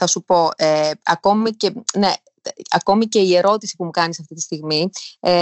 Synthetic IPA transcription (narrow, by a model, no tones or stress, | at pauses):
θɐsupo̞eɐko̞mice̞ne̞ | ɐko̞mice̞ie̞ɾo̞t̪isipumukɐnisɐft̪it̪i̥st̪iɣmie